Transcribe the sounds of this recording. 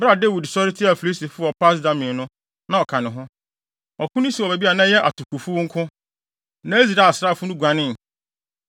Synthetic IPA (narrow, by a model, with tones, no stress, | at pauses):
bɾa˨de˦wi˨dsɔ˦ɾɪ˦tʰɪ˦a˨fi˨li˦si˨fʊ˦ɔ˨pʰa˦s̬da˦mɪ̃˨nʊ̃˦ | nã˨ɔ˨kʰã˨nɪ̃˨ɦʊ̃˦ | ɔ˨kʰʊ̃˦nʊ̃˦si˨ɔ˨be˨bi˦a˨nã˦jɛ˦ʔa̰˨tʰʊ˨kʰu˨fu˦wʊ˦ŋ̩˦kʰʊ̃˦ | nã˦e˦zi˨ɾa˨a˨sɾa˦˨fʊ˦nʊ̃˦ɡʷã˨nɪ̃˦˨n˨